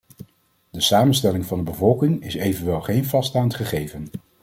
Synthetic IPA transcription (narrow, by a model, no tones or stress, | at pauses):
dəsaːmənstɛlɪŋvɑndəbəvɔlˠkɪŋɪsejvənʋɛlˠχejnvɑstaːntχəχejvən